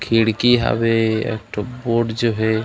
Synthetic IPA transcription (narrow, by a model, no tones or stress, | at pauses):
kʰiɽkiɦa̰beḛk̚ʈoboɖd͡ʒoɦe